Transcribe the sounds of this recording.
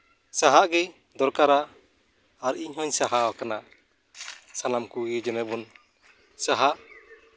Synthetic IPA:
saɦaʔɡɛ | d̪ɔɾkaɾaː | ɾiɲhɔɲsaɦawkana | sanamkuɡɛd͡ʒɔnɛbɔn | saɦaʔ

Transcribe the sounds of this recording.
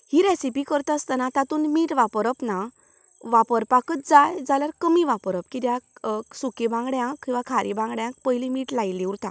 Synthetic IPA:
hiɾesipikəɾt̪ast̪anat̪at̪uːnmiːʈʋapəɾəpna | ʋapəɾpakət̪̚d͡zajd͡zaljaɾkəmiʋapɾəp̚kid̪jãsukebãŋɡɽjãkkĩw̃ʋakʰaɾʔibãŋɡɽjãk̚pəjlimiːʈlajliuɾt̪ã

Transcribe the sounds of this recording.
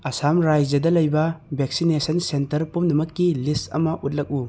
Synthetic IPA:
ɐsamɾajd͡ʒɐdɐlɐjbɐbʱek̚sinesɐnsentɐɾpumnɐmɐkːilistɐ̰mɐʔut̬̚lɐk̚u

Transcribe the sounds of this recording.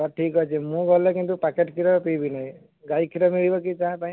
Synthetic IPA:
ɔʈʰikɦɔjt͡ʃʰimũɡɔlekint̪upakeʈkʰiɾɔpibinaĩ | ɡajkʰiɾɔmiɭibɔkit͡ʃaɦẽpaĩ

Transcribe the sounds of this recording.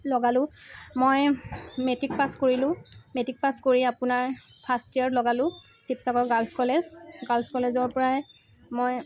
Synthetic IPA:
lɔɡalʊ̃mojmetik̚paskoɹilʊ̃metik̚paskoɹiapʊnaɹ | pʰastiaɹlɔɡalʊ̃sipsakɔɹɡalskɔlezɡalskɔlezɔɹpɔɹaj | moj

